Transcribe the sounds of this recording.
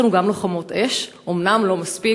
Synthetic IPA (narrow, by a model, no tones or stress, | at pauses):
anuɡamloχamo̞teʃʔomnamlo̞maspi